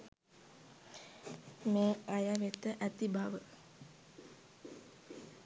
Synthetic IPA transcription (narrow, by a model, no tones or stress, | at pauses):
meːajaʋet̪əʔæt̪ibʱaʋə